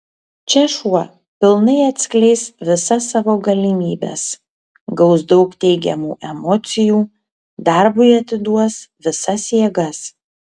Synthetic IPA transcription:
t͡ʃʲɛʃuɔ | pʲɪlˠnɐɪɐt̪ʲsʲkʲlʲɛɪsʋʲɪsɐsɑːʋoːɡɐlʲimʲiːbʲɛ̰s | ɡɒʊsd̪ɒʊkt̪ʲɛɪɡʲɛmṵːʔɛmɔːt̪sʲɪjuː | d̪ɑˑɾbʊɪɐt̪ʲɪd̪uɔsʋʲɪsɐsjiɛɡɐs

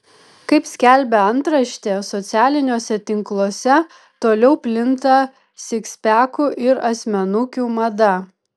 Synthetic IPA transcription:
kɐɪpsʲkʲælʲbʲɛɐnt̪ɾɐʃʲt̪ʲeːsɔt̪sʲæːlʲɪnʲoːsʲɛt̪ʲɪŋklˠoːsʲɛ | t̪oːlʲɛʊpʲlʲɪnt̪ɐ | sʲɪksʲpʲæːkʊʔɪɾɐsʲmʲɛnʊkʲuːmɐd̪ɐ

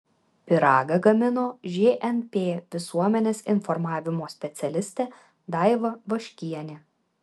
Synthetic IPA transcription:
pʲɪɾɑːɡɐɡɐmʲɪnoːʒʲeʔɛnpʲeːʋʲɪsuɔmʲɛnʲeːsɪnfɔɾmɑːʋʲɪmoːsʲpʲɛt̪sʲɛlʲɪsʲt̪ʲɛː | d̪ɑˑɪʋɐʋɐʃʲkʲiɛnʲe

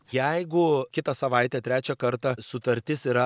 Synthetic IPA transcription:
jɛɪɡʊkʲɪt̪ɐsɐʋɐɪt̪ʲɛːt̪ʲɾʲæːt͡ʃʲɛkɐɾt̪ɐsʊt̪ɐɾʲt̪ʲɪsiːɾɐ

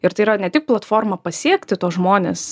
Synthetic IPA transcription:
ɪɾt̪ɐɪiɾɐnʲɛt̪ʲɪk̚plˠɐt̪foːrmɐpɐsʲiɛkʲt̪ʲɪt̪oːsʒmoːnʲḛːs

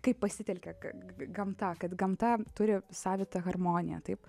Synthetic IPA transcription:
kɐɪppɐsʲɪt̪ʲɛlʲkʲɛkɐɡɐmt̪ɐkɐt̪ɡɐmt̪ɐt̪ʊɾʲɪsɑːʋʲɪt̪ɐɣɐrmoːnʲɪjɛ̰t̪ɐɪp

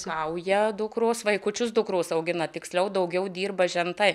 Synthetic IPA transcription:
kɐʊjɛd̪ʊkɾosʋɐɪkʊt͡ʃʲʊsd̪ʊkɾuːsɐʊɡʲɪnɐt̪ʲɪksʲlʲɛʊd̪ɐʊɡʲɛʊd̪ʲiːrbɐʒʲɛnt̪ɐɪ

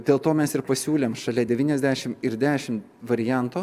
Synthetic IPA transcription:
d̪ʲeːlˠt̪oːmʲɛsɪɾpɐsʲuːlʲeːmʃɐlʲɛd̪ʲɛʋʲiːnʲɛzʲd̪ʲæːʃʲɪmɪɾd̪ʲæːʃʲɪm | ʋɐɾʲɪjæˑnt̪oː

